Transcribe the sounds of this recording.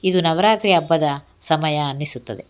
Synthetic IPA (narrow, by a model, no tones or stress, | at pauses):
id̪unɐʋɐɾaːt̪ɾiɐbːɐd̪ɐ | sɐmɐjɐːnːisut̪ːɐd̪e̞